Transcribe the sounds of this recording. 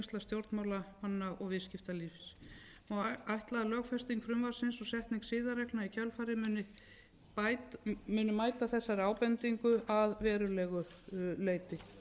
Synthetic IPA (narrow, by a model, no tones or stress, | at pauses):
st̪ast̪jowɾt̪nmaːwlamanːaʔɔɣvɪðscɪft̪aliːfs | ɔajht̪laðlœːɣfɛst̪iŋkfɾʏmvaɾsɪnsɔsɛht̪niŋksɪːðaɾɛknaicʰœlfaɾɪmʏnɪ | mʏːnʏmaːjt̪aθɛsːaɾaːwpɛnt̪iŋkʏʔaðvɛːɾʏlɛɣʏleːjt̪ɪ